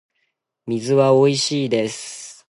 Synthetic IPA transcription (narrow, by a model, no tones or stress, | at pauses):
mʲizɨβao̞iɕiːd̪e̞sɨ̥